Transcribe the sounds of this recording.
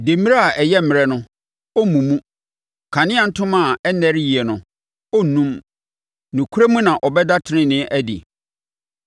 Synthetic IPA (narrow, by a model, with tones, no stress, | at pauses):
de˨mi˦ɾa˦a˨ʔɛ˨jɛ˦m̩˨mɪ˨ɾɛ˦nʊ̃˦ | ɔ˦mũ˨mũ˦ | kʰã˨nɪ̃˦a˨n̩˦tʰʊ̃˦mã˦˨ɛ˦nɛ˦ɾji˨ɛ˨nʊ̃˨ | ɔ˦˨nũ˦m | nũ˨kʰu˦ɾe˦mũ˦nã˨ʔɔ˨bɛ˦da˦tʰɪ˨nɪ̃˦nɪ̃˦ʔæ˦dɪ̰˨